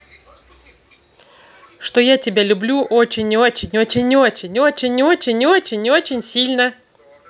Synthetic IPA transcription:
ʂt̪ojatʲɪbʲalʲʊblʲuʔot͡ɕɪnʲɪot͡ɕɪnʲo̞t͡ɕɪnʲɪot͡ɕɪnʲo̞t͡ɕɪnʲo̞t͡ɕɪnʲo̞t͡ɕɪnʲo̞t͡ɕɪnʲsʲilʲnə

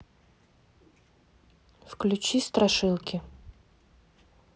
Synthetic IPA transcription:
fklʲʊt͡ɕist̪ɾɐʂɨlˠkʲɪ

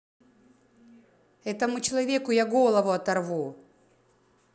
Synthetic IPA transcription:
ɛt̪əmʊt͡ɕɪlˠɐvʲekʊjaɡolˠɐvʊɐt̪ɐrvu

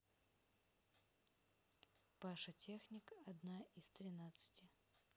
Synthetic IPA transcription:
paʂɐtʲexnʲɪkɐd̪naist̪ɾʲɪnat̪sɨ̥tʲɪ

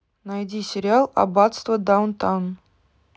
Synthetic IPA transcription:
najdʲisʲɪɾʲɪalˠɐ̰bɑt̪st̪vəd̪awnt̪ɑwn

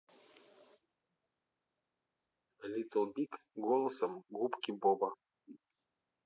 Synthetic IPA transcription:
lʲit̪əlˠbʲikɡolˠəsəmɡupkʲibobɐ

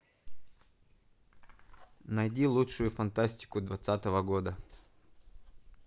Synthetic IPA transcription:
nɐjdʲilˠutʂʊjʊfɐnt̪asʲtʲɪ̥kʊd̪vɐt̪sat̪əvəɡo̞d̪ə

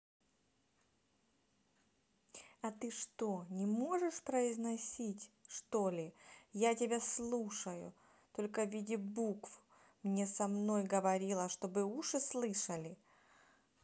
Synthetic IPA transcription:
ɐt̪ɨʂt̪o̞nʲɪmo̞ʐɨʂpɾəɪznɐsʲitʲʂt̪o̞lʲɪjatʲɪbʲaslˠuʂəjʊ̰ | t̪o̞lʲkəvʲidʲɪbukf | mnʲe̞sɐmno̞jɡəvɐɾʲilˠəʂt̪o̞bɨuʂɨslˠɨʂəlʲɪ

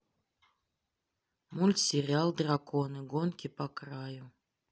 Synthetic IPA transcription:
mulʲt̪sʲɪɾʲalˠd̪rakʰonɨɡonkʲɪpɐkɾaju

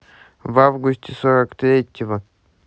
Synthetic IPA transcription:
vavɡʊsʲtʲɪsoɾəkt̪ɾʲetʲɪvə

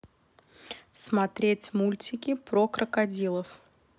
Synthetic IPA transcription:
smɐt̪ɾʲetʲmulʲtʲɪkʲɪpɾokɾəkɐdʲilˠəf

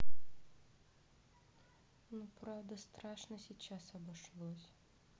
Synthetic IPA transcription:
nupɾawd̪ɐst̪ɾaʃnɐsʲit͡ʃasɐbɨʃlˠɔsʲ

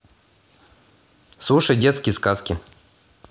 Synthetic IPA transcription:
slˠuʂəjdʲet̪skʲɪjəskaskʲɪ

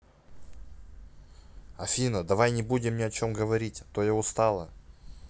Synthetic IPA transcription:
ɐfʲinəd̪ɐvajnʲɪbudʲɪmnʲɪɐt͡ɕo̞mɡəvɐɾʲitʲt̪ojaʊst̪alˠə

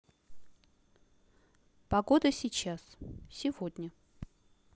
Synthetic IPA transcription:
pɐɡod̪əsʲɪt͡ɕassʲɪvod̪ʲnʲə

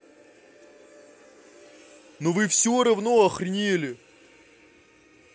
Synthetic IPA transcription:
novɨfsʲoɾɐvnoɐxrʲnʲelʲɪ

